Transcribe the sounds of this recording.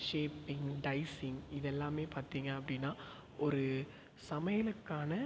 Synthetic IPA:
ʂeːpːɪŋɡɖɐɪsɪŋɡɪðɛlːaːmeːpaːɾt̪iːŋɡɐɐpːɐɽɪnːaː | ʔɔɾɯ | sɐmɐjɐlɯkːaːnɐ

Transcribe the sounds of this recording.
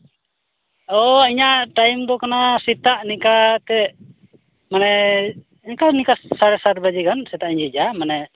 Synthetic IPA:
ɔiɲaʔʈajmd̪ɔkanasit̪aʔnikat̪ɛ | manɛ | niɲkanikasaɾɛsat̪̚bad͡ʒikansɛt̪aʔiɲid͡ʒamanɛ

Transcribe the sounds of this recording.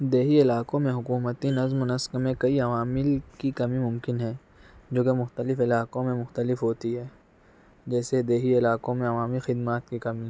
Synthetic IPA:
d̪eːɦiɪlaːkõmẽɦʊkuːmət̪inɐzmʊnəskəmẽkɐiɐʋaːmɪlkikɐmimʊ̃mkɪnɦɛ̃ː | d͡ʒoːkemʊxt̪əlɪfɪlaːkõmẽmʊxt̪əlɪfɦoːt̪iɦɛː | d͡ʒɛːsed̪eːɦiɪlaːkõmẽɐʋaːmixɪd̪maːt̪̚kikɐmĩ

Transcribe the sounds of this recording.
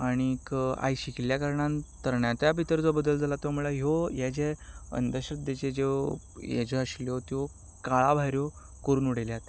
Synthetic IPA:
aɽ̃ika̰jɕikiljakaɾɳãnt̪əɾɳjat̪jabʱit̪əɾd͡zobəd̪əld͡zʱalat̪omuɭaɦjojad͡ʑeə̰nd̪əɕət̪d̪et͡ɕed͡ʑe | ja̰d͡ʑeəɕljot̪jo | kaɭabʱaɾjo | kəɾuːnuɽ̤eljat̪e

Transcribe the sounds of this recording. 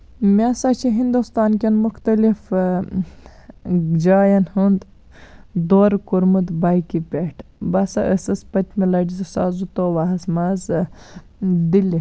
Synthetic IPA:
mʲaːsat͡ʃʰiɦind̪ust̪aːnkʲɐnmuxt̪ɐlif | d͡ʒaːjɐnhund̪ | d̪oːɾkuɾmud̪baːjkipʲeʈʰbɐsɐʔəsɐspɐt̪ʲmilɐɖizɐsaːzut̪oːʋaɦɐsmaz | d̪ili

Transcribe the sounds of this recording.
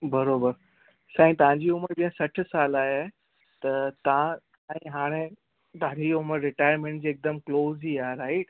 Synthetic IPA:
bɐɾobəɾ | sãːɦĩt̪ɐʋ̤ãɲd͡ʑiːʊməɾbiːãsɐʈʰsaːlaːɦe | t̪ɐt̪ɐã | sãːĩɦaːɽ̃e | t̪ãɾiʊməɾɾɪʈaːjəɾmẽɳʈ̚d͡ʑiːeːk̚d̪əmkloːziːaːɦeɾaːɪʈ

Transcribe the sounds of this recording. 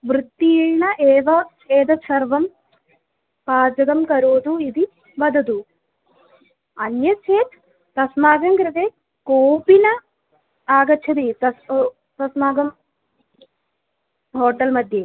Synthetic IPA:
ʋɾut̪ːinɐʔeːʋɐ | eːd̪ɐt͡ʃʰɐɾʋɐm | paːd͡ʒɐɡɐmkɐɾoːd̪uid̪i | ʋɐd̪ɐd̪u | ɐnjɐt͡ʃʰeːt̪ | t̪ɐsmaːɡɐŋkɾɪt̪eː | koːpinɐ | aːɡɐt͡ʃʰɐt̪it̪ɐs | t̪ɐsmaːɡɐm | ɦoːʈɐlmɐd̪ʱje

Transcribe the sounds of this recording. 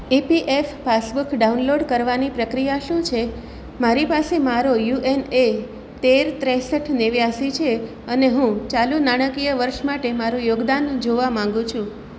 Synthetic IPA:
ipiʔefpasbukɖaunloɖkəɾʋanipɾəkɾijaʃũt͡ʃʰe | maɾipasemaɾojuʔene | t̪eɾt̪ɾɛ̃səʈʰneʋjasit͡ʃʰe | əneɦũt͡ʃalunaɽ̃əkijəʋəɾʃmaʈemaɾũjoɡd̪and͡ʒoʋamãŋɡũt͡ʃʰũ

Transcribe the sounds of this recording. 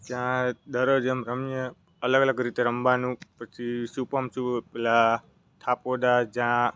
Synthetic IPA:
d͡ʒjãd̪əɾəd͡ʒemɾəmjə | ələɡələɡɾit̪eɾəmbanũpət͡ʃʰiʃupəmt͡ʃʰupela | t̪ʰapod̪ad͡ʒjã

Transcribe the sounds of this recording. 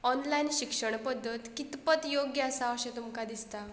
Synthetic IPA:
ɔnlainɕikʂəɳ̃pəd̪ʱːət̪kit̪pət̪joɡjəəsaəɕẽt̪umkad̪ist̪a

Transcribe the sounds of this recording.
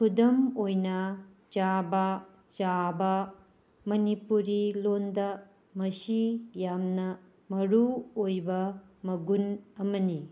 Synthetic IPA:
kʰudɐmojnɐ | t͡ʃabɐ | t͡ʃabɐ | mɐnipuɾilondɐ | mɐsijamnɐ | mɐɾuojbɐmɐɡunɐmɐni

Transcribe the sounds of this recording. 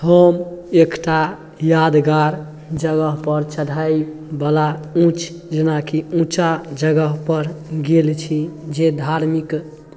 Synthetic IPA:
həmekʈa | jad̪ɡaɾ | d͡ʒəɡəɦpəɾt͡ʃəd̪ʱajbəlaũt͡ʃʰ | d͡ʒenakʰiũt͡ʃad͡ʒəɡəɦpəɾɡelt͡ʃʰid͡ʒed̪ʱaɾmik

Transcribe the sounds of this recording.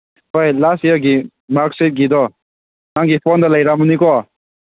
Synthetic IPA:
ɦojlasijɔɡi | makset̚ɡid̪ɔ | naŋɡipʰɔnd̪ʌlajɾamunikɔ

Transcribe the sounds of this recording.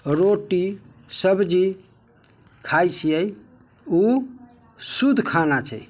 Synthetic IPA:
ɾoʈi | səbd͡ʒi | kʰajsijəj | u | sud̪ʱkʰanat͡ʃʰəj

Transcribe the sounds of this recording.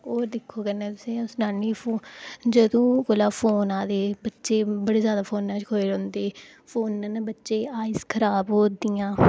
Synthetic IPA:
oːɾd̪ɪkʰːoːkəɾnãːt̪ʊsẽːsnaːniːpʰoːd͡ʒəd̪õːkolaːpʰoːnaːd̪eːbətːʃeːbəɽeːzjaːd̪aːpʰoːnːaːt͡ʃkʰoːeːɾɔ̃ːnd̪eː | pʰoːnːaːnabətːʃeːaːɪzkʰəɾaːbɦoːd̪ijãː

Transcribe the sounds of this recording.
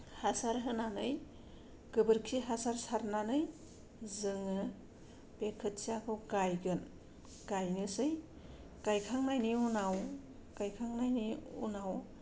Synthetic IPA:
hasaɾɦɯnanɯj | ɡ̥ɯbɯɾkʰiɦasaɾsaɾnanɯj | zɯŋɯ | pekʰɯt̚siakʰɯwɡajɡɯn | ɡ̥ajŋɯsɯj | ɡ̥ajkʰaŋnajniunaw | ɡ̥ajkʰaŋnajniṵnaw

